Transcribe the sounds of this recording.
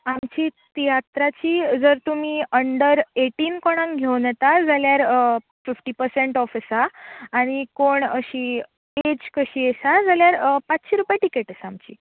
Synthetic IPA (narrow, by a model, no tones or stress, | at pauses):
amt͡ɕiːt̪ijat̪ɾat͡ɕiːd͡zəɾt̪um̤iːəɳɖəɾeʈiːnkoɽ̃ãŋɡʱewnət̪ad͡zaljaɾ | fifʈiːpəɾseɳʈɔfisaːɽ̃ikoɳəɕiː | ed͡ʑkəɕiːesad͡zaljaɾpat͡sɕiɾupjaʈikeʈəsamt͡ɕḭː